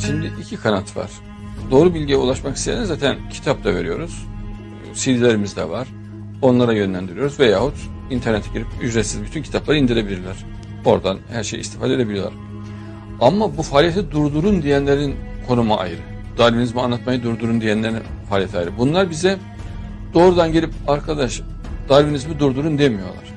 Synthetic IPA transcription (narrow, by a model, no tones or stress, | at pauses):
ʃimd̪iʔicʰikʰanat̪ʰva̰ɾ̥ | d̪o̞ːɾubilʲɟijɛulˠaʃmakʰi̥st̪ʰejanɛzaːt̪ʰæncʰi̥t̪ʰap̚t̪ʰaveɾijo̞ɾuz̥ | sid̪ilʲe̞ɾimizd̪ɛ̰vaɾ̥ | o̞nlˠaɾajø̞nlʲænd̪iɾyijo̞ɾuzvɛjaːhut̪ | int̪ʰæɾnet̪ʰɛɟiɾipyd͡ʒɾet̪sizbyt̪ʰyncʰit̪ʰaplˠaɾɯind̪iɾe̞bilʲiɾlʲæɾ̥ | o̞ɾd̪anhæɾʃḛjḭst̪ʰi̥faːd̪ed̪ebilʲijlˠa̰ɾ | amːabufaːlʲijet̪ʰɛd̪uɾd̪uɾund̪ijænlʲe̞ɾinkʰo̞numaʔa̰jɯɾɯ | d̪̥aɾvinizmianˠat̪majɯd̪uɾd̪uɾund̪ijænlʲeɾin | faːlʲijet̪ʰaːjɾɯbunlˠaɾbizɛ | d̪o̞ːɾud̪anɟe̞lʲipaɾkʰad̪aʃ | d̪aɾvinizmid̪uɾd̪uɾund̪e̞mijo̞̰lˠa̰ɾ̥